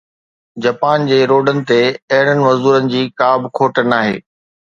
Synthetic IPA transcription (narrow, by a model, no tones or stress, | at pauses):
d͡ʑaːpaːnd͡ʑeːɾoːɖənɪ̆t̪eɐɦɪɽənɪ̆mɐzuːɾənɪ̆d͡ʑiːkaːbkʰoːʈənaːɦḛː